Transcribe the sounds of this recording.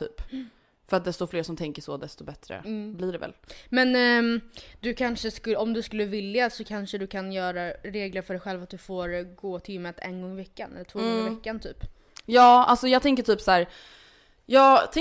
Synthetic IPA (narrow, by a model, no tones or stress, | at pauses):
t̪ʰy̰ːp | fœɾat̪̚d̪ɛst̪ɔfleːʂɔmt̪ʰɛŋkəʂɔd̪ɛst̪ɔbɛt̪ɾə̰bliɖɛvɛ̰lmɛn | d̪̥ɵkʰanʂəskɵlɔmd̪ɵskɵlːəvɪljasɔkʰanʂəd̪ɵkʰanjœːɾaɾeːɡləɾfœɖɛjɧɛlvat̪̚d̪ɵfoːɾɡoːt̪ʰɪlɪmːət̪ʰɛ̰nɡɔŋːɪvɛkːanɛ̰lːəʈʰvoːɡɡɔŋɪvɛkːant̪ʰy̰ːp | jɑːa̰lsɔjɑːt̪ʰɛŋkəʈʰyːpsæːɾ | jɑːt̪ʰɛ